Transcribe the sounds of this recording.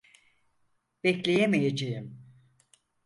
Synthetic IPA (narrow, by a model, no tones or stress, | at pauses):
b̥ɛclʲejemejed͡ʒejim